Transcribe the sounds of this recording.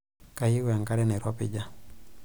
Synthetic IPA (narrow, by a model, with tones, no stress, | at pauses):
ka˨jɪ˦wa˨ŋka˦ɾɛ˦nɛ˨ɾɔ˦pɪ̰˨d͡ʒa˦